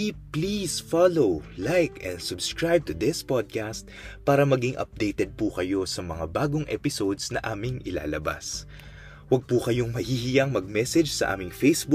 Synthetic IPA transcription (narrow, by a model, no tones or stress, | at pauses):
iplisfalowlajkɛ̰̃nd̪sʊbskɹajb̚t̪ʊd̪ɪspɔd̪̚kast̪̚paːɾɐmɐɡiŋʔɐ̰p̚d̪ejt̪ɛd̪̚pukɐjo̞sɐmɐŋabaːɡoŋʔɛ̰pɪso̞d̪snɐʔaːmɪŋʔɪla̰ːlɐba̰s | wɐɡ̚pukɐjo̞ŋmɐhiːhɪjɐŋmɐɡ̚mɛsɛd͡ʒsɐ̰ʔa̰ːmɪŋfejsbu